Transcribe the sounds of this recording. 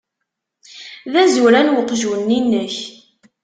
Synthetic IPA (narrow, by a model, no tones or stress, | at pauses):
ðæzuɾænwəqʒuwnːinːəç